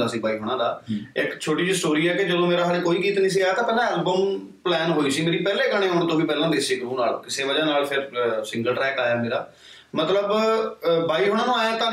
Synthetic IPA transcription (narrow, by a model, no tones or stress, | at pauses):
d̪aːsiːbaːiːɦoːɽ̃ãːd̪aːɪkt͡ʃʰoːʈiːsʈoːɾiːɛːkɪd͡ʒəd̪õːmeːɾaːɦəleːkoːiːkiːt̪nĩːs̬eːaːt̪ãːpɛːlãːɛːlbəm | plɛːnɦoːiːsiːmeːɾiːpɛːleːɡəɽ̃ẽːɦoːɳd̪õːbiːpɛːlãːd̪eːseːɡɾuːna̰ːlkɪseːʋəd͡ʒãːnaːlpʰɪɾsɪ̃ŋɡəlʈɾɛːkaːjaːmeːɾaː | mət̪ləb | baːiːɦoːɽ̃ãːnũːaːjãːt̪ãː